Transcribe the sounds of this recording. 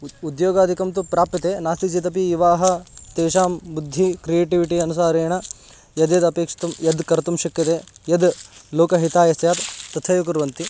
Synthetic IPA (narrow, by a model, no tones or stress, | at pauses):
ud̪joːɡaːd̪ʱikɐmt̪upɾaːpit̪eːnaːst̪id͡ʒit̪ɐp̬iiʋaːɦɐt̪eːʃaːmbud̪ʱːikɾijeːʈiʋiʈiɐnus̬aːɾeːɳɐ | jɐd̪jɐd̪ɐpeːkʂɐ̥t̪ɐmjɐd̪kɐɾt̪umʃɐkːɐt̪eːjɐd̪loːkɐɦit̪aːjɐst̪jaːt̪t̪ɐt̪ʰɐjuk̬uɾʋɐnt̪i